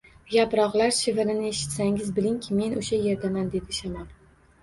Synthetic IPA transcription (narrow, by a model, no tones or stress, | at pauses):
japɾɒʁlˠaɾʃɪvɪɾɪnɪeʃɪ̥t̪saŋʲɪzbɪlɪŋkʲʰɪme̞nʔʊʃaje̞ɾd̪amand̪e̞d̪ɪʃamal